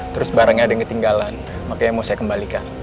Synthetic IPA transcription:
t̪əɾʊsbaɾaŋɲaːdaŋkət̪iŋɡalan | makajaŋmausajakəmbalikan

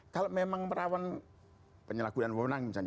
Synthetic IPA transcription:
kalomemaŋməɾawan | pəɲəlakunanwɔnaŋit͡ʃa

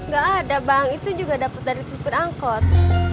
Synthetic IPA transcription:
ŋɡaʔadabaaŋit̪ud͡ʒuɡadapat̪̚daɾitupəraŋkɔt̪̚

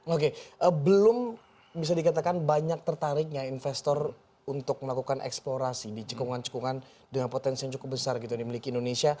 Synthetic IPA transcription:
okeʔəbəlʊm | bis̬adikat̪akanbaɲak̚t̪ərt̪aɾɪk̚ɲainfɛst̪ɔr | unt̪ʊk̚məlakukanʔɛ̰ksploɾasidit͡ʃə̥kuŋant͡ʃə̥kuŋan | dəŋanpot̪ɛnsiaŋt͡ʃukʊp̚bəsarɡit̪udimilikiːndonesia

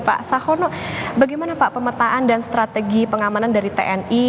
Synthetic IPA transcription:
pa̰ʔsahɔnɔ | baɡajmanapaʔpəmət̪aʔandanst̪ɾat̪eɡipəŋamanandaɾit̪ḛʔɛni

